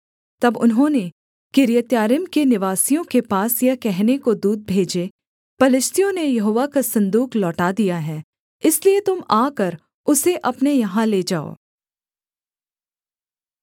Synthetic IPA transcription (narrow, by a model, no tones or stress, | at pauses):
t̪ɐbʊ̰nɦõne | kɪɾijət̪jaːɾɪmkenɪʋaːsijõkepaːsjɐkɛɦnekod̪uːd̪̚bʱeːd͡ʒe | pɐlɪʃt̪ijõnejɐɦoːʋakasɐ̃nd̪uːklɔːʈad̪ijaɦɛː | ɪsliet̪ʊmaːkəɾ | ʊseʔɐpnejɐɦãleːd͡ʒaːo̰ː